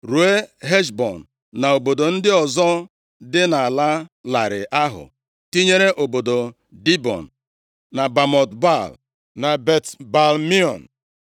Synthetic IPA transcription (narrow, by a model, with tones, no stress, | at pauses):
ɾu˨e˦ɦe˦ʃbɔ˨n̩ː˨ | a˨o˨bo˨do˨n̩˦dɪ˦ɔ˨zɔ˦ | dɪ˦na˨a˨la˦la˨ɾɪ̰˨ʔa˦ɦʊ̰˨ | ti˦ɲe˦ɾe˦ʔo˨bo˨do˨ | di˦bɔ̰˨n̩˨ | na˨ba˨mɔ˨tba˦˨l | na˨be˨tba˨lmi˦ɔ̰˨n̩˨